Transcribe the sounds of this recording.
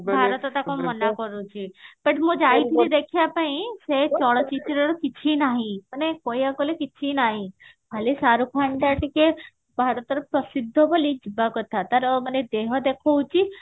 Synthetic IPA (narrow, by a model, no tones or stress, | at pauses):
bʱaɾət̪ɔt̪akomɔnakɔɾũt͡ʃʰipəʈmõd͡ʒait̪ʰid̪ekʰjapaɦĩset͡ʃɔɭt͡ʃit̪ɾɔɾɔkit͡ʃʰinaɦĩpəɳekɔjakɔlekit͡ʃʰinaɦĩ | ɦalisaɾukʰaɳɖaʈike | bʱaɾɔt̪ɔɾɔpɾəsid̪ʱːɔbolid͡ʒibakɔt̪at̪aɾɔməned̪eɦɔd̪ekʰowt͡ʃʰi